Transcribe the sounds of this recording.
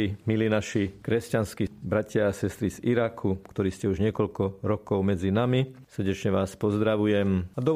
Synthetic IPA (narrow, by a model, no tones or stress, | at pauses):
imiliːnaʃikɾɛscanskibɾacɪaːsɛst̪ɾiziɾakʰukt̪ɔɾiːscɛuʒɲɪɛkɔʎkɔɾɔkɔʊmɛd͡zinamisər̩ɟɛt͡ʃɲɛʋaːspɔzd̪ɾaʋujɛmad̪ɔ